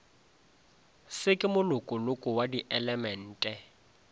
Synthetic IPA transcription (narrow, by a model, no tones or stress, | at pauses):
sɪkʼɪmʊlʊkʼʊlʊkʼʊwadiʔɛlɛmɛn̩ːtʼɛ